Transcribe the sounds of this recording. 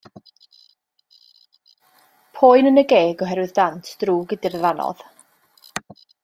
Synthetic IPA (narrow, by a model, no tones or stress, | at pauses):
pʰoːɨnənəɡeːɡɔɦɛɾwɨðdantʰd̥ruːɡədirvanɔ̰ð̥